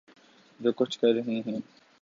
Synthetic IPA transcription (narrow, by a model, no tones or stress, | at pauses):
d͡ʒoːkʊt͡ʃʰkɐɾɾɐɦẽɦɛ̃ː